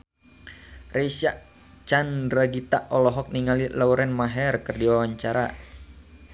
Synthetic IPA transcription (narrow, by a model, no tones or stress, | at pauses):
rɛsaʔ | t͡ʃandraɡit̪aʔɔlɔɦɔk̚niŋalilauɾɛnmaɦɛrkɨrdiwawaɲt͡ʃaɾa